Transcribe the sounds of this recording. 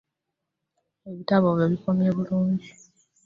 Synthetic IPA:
eβitaβoβjoβikomjeβuluːɲd͡ʒi

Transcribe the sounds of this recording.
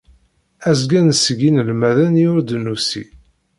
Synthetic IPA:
æzɡænsəɡinəlmæðænjʊɾd̪nusḭ

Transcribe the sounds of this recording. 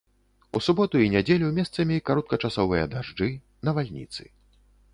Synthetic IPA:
usubɔt̪uinʲad͡zʲelʲumʲɛst̪sɐmʲikaɾɔt̪̚kɐt͡ʂasɔvɨjɐ̰d̪aʐd͡ʐɨ | nɐvalʲnʲḭt̪sɨ̥̰

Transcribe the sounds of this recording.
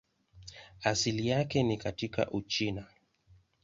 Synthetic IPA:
asilijakɛnikatika̰ʔut͡ʃina

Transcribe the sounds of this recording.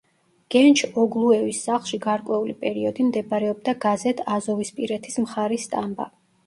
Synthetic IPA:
ɡ̥ɛnt͡ʃʰɔɡlˠuɛvisːaχlˠʃiɡaɾkʼwɛulipʼɛɾiɔd̪imd̪ɛbɾɛɔb̚d̪aɡazɛt̪ʰazɔvispʼiɾɛt̪ʰismχaɾist̪ʼamba̰

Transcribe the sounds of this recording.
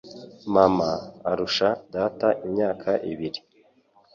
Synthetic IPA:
mamaːɾuʃadataʔimɲaːkʰaʔḭβiɾi

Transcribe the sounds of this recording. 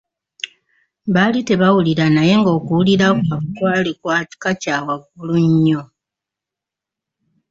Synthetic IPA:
βalite̞βawuliɾanaje̞ŋɡo̞ːkuwuliɾakwaβukwalikwaːti̥kacaːwaɡuluɲːo

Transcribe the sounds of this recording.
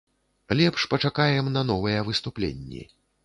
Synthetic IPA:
lʲɛpʂpɐt͡ʂakajɛmnɐn̪ɔvɨjɛvɨst̪uplʲḛnʲːḭ

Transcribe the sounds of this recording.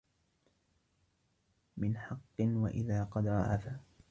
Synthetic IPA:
mɪnħɑqːɨnwa̰ʔɪðaːqɑd̪ɾˤɑ̰ʔafaː

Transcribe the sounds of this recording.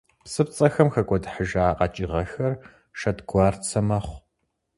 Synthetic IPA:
psɨpt͡sʼɐxɐmxɐkʷʼɔdħəʒaːqɐt͡ʃʼɪʁɐxɐr | ʃɐtɡʷɑːrt͡sʰɐmɐχʷ

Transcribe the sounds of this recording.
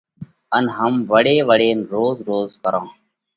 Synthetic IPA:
ənɦəmʋəɽeːʋəɽeːnɾoːzɾoːzkəɾãː

